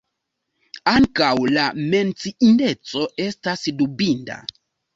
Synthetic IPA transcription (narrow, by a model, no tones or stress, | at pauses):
aŋkawlame̞nt͡siindet͡so̞e̞stasdubinda̰